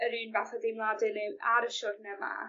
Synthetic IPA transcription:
əɾiːnvaθɔðɪmlˠadɪnɛwaɾəʃɔrnɛma̰

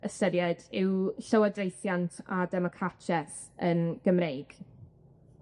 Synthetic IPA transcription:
əsəɾjɛdɪwɬəwadrejθjantʰadɛmɔkʰat͡ʃʰɛs | ənɡ̥əmɾejɡ̥

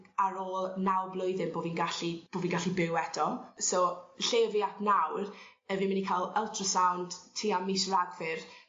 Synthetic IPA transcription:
aɾoːlˠnawˠblˠʊɨðɨnboːviːnɡaɬib̥oːviːnɡaɬibɪwɛd̥ɔsoːɬeːviapʰnawr | əviːmɪnikʰajlˠɛlˠtʰrɔsawnd̥tʰiːamisraɡvɪr

